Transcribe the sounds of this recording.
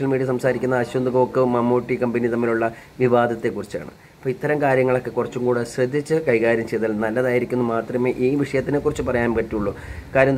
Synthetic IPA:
ɐlmiːɽijɐsɐmsaːɾikʲːunːɐɐɕund̪ɐɣoːkːɨmɐmoːʈːikɐmbɐnit̪ɐmːiluɭːɐ | ʋiʋaːd̪ʱɐt̪ːe̞kːurit͡ɕːa̰ːɳɨ̰ | ɐpːoːit̪ːɐɾɐmkaːɾjɐŋːɐɭo̞kːe̞kːurɐt͡ɕːumkuːɽeɕrɨd̪ʱːit͡ɕːɨkɐjkaːɾjɐmt͡ɕe̞jt̪alnɐlːɐðaːjiɾikʲːunːumaːt̪rɐme̞ːʔiːʋiʂɐjɐt̪ːinekːurit͡ɕːɨpɐrɐjaːnpɐʈːiuɭːukaːɾjɐm

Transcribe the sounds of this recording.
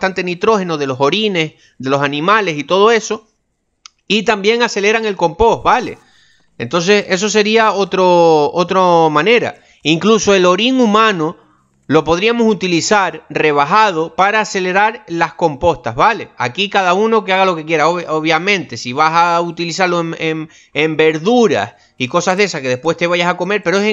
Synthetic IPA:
t̪ant̪e̞nit̪ɾo̞he̞noðe̞lo̞so̞ɾine̞s | ðe̞lo̞sanĩmale̞sit̪o̞ðo̞e̞so̞ | it̪ambje̞ŋase̞le̞ɾaŋe̞lko̞mpo̞ɦβale̞̰ | ent̪o̞ns̬e̞se̞s̬o̞s̬e̞ɾiao̞t̪ɾoot̪ɾomãne̞ɾa̰ | iŋkluso̞e̞lo̞ɾiŋumãno̞ | lo̞po̞ðɾiamo̞sut̪ilisaɾre̞β̞aɦað̞o̞paɾaːse̞le̞ɾaɾlasko̞mpo̞st̪aɦβale̞a̰kikaðauno̞keaɣalo̞ke̞kje̞ɾaooβjamẽ̞nt̪e̞siβasaut̪ilisaɾloeŋeŋ | embe̞ɾðuɾa̰s | iko̞saɦðe̞sahke̞ðe̞hpwe̞ht̪e̞βaʝasako̞me̞ɾpe̞ɾoes

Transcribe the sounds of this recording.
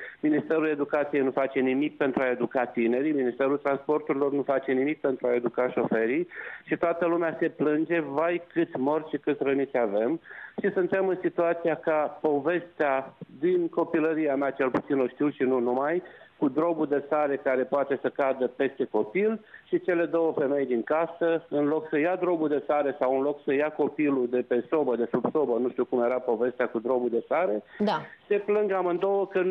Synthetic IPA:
minist̪e̞ɾule̞d̪ukat̪sijejnufat͡ʃe̞nimik̚pe̞nt̪ɾuae̞d̪ukat̪ine̞ɾijminist̪e̞ɾult̪ɾanspo̞rt̪uɾilo̞rnufat͡ʃe̞nimik̚pe̞nt̪ɾuae̞d̪ukaʃo̞fe̞ɾiʃit̪oat̪əlumease̞plɨnd͡ʒe̞vajkɨt̪sʲmo̞rʃikɨt̪ʲrənit̪sʲave̞mʃisunt̪e̞mɨnsit̪uat̪sijakapo̞ve̞st̪ead̪inko̞piləɾiameat͡ʃe̞lput̪sino̞ʃt̪iwʃinunumajkud̪ɾo̞bud̪e̞saɾe̞kaɾe̞poat̪e̞səkad̪əpe̞st̪e̞ko̞pilʃit͡ʃe̞le̞d̪o̞wəfe̞me̞jd̪iŋkasəɨnlo̞ksəjad̪ɾo̞bud̪e̞saɾe̞sawɨnloksəjako̞pilud̪e̞pe̞so̞bəd̪e̞subso̞bənuʃt̪iukumje̞ɾapo̞ve̞st̪eakud̪ɾo̞bud̪e̞saɾe̞ase̞plɨŋɡamɨnd̪o̞wəkə

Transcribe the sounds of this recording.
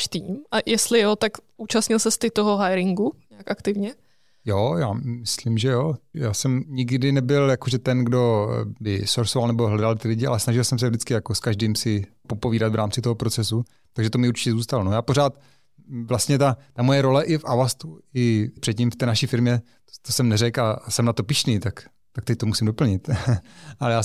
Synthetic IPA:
ʃt̪iːmʔajɛst̪lɪjot̪akʔuːt͡ʃast̪ɲɪlsɛst̪ɪt̪oɦoɦajɾɪŋɡuɲaakʔakt̪ɪvɲɛ | jojaːmɪslimʒɛjojaːsɛmɲɪɡdɪnɛbɪljakoʒɛt̪ɛnɡdo̞bɪ̰soɾsovalnɛboɦlɛdalt̪ɪlɪɟɪʔa̰lɛsnaʒɪlsɛms̬ɛvdɪt͡skɪjakoskaʒdiːmsɪ | po̞poviːdat̪vɾaːmt͡sɪt̪oɦopɾo̞t͡sɛsu | t̪aɡʒɛt̪omɪuɾt͡ʃɪ̥cɛzuːst̪alonojaːpoɾaːt̪ | vlast̪ɲɛt̪at̪amo̞jɛɾo̞lɛʔɪfʔavast̪uɪpr̝̥ɛt̪cimft̪ɛːnaʃiːfɪɾmɲɛ | t̪osɛmnɛɾɛkasɛmnat̪o̞pɪʃniːt̪ak | t̪ak̚t̪ɛc̚t̪omusɪmdo̞pl̩ɲɪt̪ʔalɛjaː

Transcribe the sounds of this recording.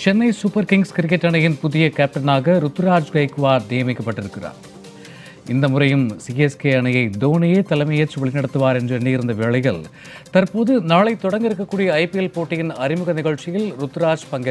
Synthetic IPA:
t͡ʃɛnːɐɪsʊpːɐɾkɪŋɡskɪɾɪkːɛʈːɐɳɐjɪnpʊðɪjɐkaːp̚ʈɐnaːɣɐɾʊt̪ːɯɾaːd͡ʒɡɐɪkːɯʋaːɾd̪eːjɐmɪkːɐpːɐʈːɪɾɯkːɪra̰ːɾ | ɪnd̪ɐmʊrɐjɯmsiɛskeːɐɳɐjɐɪd̪oːnɪjeːt̪ɐlɐɪmɐjɐt͡ʃːʋɐɭɪnɐɽɐt̪ːɯʋaːɾɛndrɯɛnːɪjɪɾɯnd̪ɐʋeːɭɐɪɣɐɭ | t̪ɐɾpoːðɯnaːɭɐɪt̪ːɔɽɐŋɡɪɾɯkːɐkːuːɽijɐɐɪpɪɛlpoːʈːɪjɪnɐɾɪmɯɣɐnɪɣɐɭt͡ʃɪjɪlɾʊt̪ːɯɾaːd͡ʒpɐŋɡɐ

